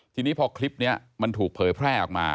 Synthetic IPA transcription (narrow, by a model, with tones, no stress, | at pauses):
t̪ʰiː˧niː˦˥pʰɔː˧kʰli˦˥p̚ni˦˥ɐma˧nt̪ʰuː˨˩k̚pʰɤː˩˦jpʰɾɛː˥˩ʔɔ̰˨˩k̚ma̰ː˧